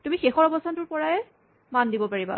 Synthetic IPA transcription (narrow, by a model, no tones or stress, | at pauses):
tumixexɔɹɔbɔstʰantʊɹpɔɹaɛ | mandibɔpaɹiba̰